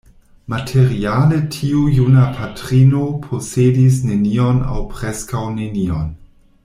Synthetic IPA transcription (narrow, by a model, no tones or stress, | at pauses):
matʰeɾialetʰiujunapʰatɾinopʰosedis̬neniona̰wpɾeskawnenion